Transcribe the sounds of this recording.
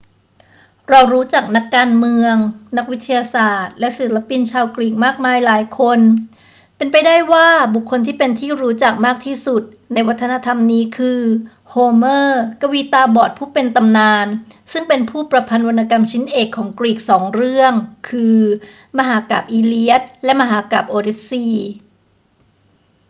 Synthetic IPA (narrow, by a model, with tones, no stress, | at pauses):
ɾɔː˧wɾuː˦˥t͡ɕa˨˩k̚na˦˥kːaː˧nmɯ˧əŋna˦˥k̚wi˦˥t̪ʰːa˧jaː˧saː˨˩t̪̚lɛ˦˥ʔsi˨˩˦la˦˧˥pi˧nt͡ɕʰaː˧wkɾiː˨˩k̚maː˥˩k̚maː˧jlaː˩˦jkʰo˧n | pe˧npa˧jdaː˥˩jwaː˥˩bu˨˩kʰːo˧nt̪ʰiː˥˩pe˧nt̪ʰiː˥˩ɾuː˦˥t͡ɕa˨˩k̚maː˥˩k̚t̪ʰiː˥˩su˨˩t̪̚ | na˧jwa˦˥t̪ʰːa˧na˦˧˥t̪ʰa˧mniː˦˥kʰɯː˧ | hoː˧mɤː˥˩ka˧wiː˦˥t̪aː˧bɔː˨˩t̪̚pʰuː˥˩pe˧nt̪a˧mnaː˧n | sɯ˥˩ŋpe˧npʰuː˥˩pɾa˧pʰa˧nwo˧nːa˧ka˧mt͡ɕʰi˦˥nʔeː˨˩kʰːɔː˩˦ŋkɾiː˨˩k̚sɔː˩˦ŋɾɯ˥˩əŋkʰɯː˧ | ma˧ɦaː˩˦ka̰ː˨˩p̚ʔiː˧li˦˥ə˩t̪̚lɛ˦˥ʔma˧ɦaː˩˨˦kaː˨˩p̚ʔoː˧ɾe˦˥siː˧